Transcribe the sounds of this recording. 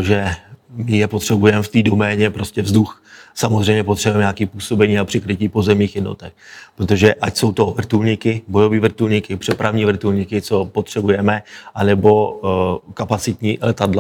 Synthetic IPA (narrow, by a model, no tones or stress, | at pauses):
oʒɛmɪjɛpo̞t̪r̥ɛbujɛmɛft̪iːdo̞mɛːɲɛpɾo̞scɛvzduxsamozrɛjmɲɛpo̞t̪r̥ɛbujɛmɲakiːpuːso̞bɛɲiːapr̥ɪkɾɪciːpo̞zɛmɲiːxjɛdno̰t̪ɛxpɾot̪o̞ʒɛʔacso̞wt̪o̞vr̩t̪ulɲɪkɪbo̞joviːvr̩t̪ulɲɪkɪpr̝̥ɛpɾavɲiːvr̩t̪ulɲɪkɪt͡so̞pot̪r̥ɛbujɛmɛʔanɛbo̞ | kapat͡sɪt̪ɲiːlɛt̪adla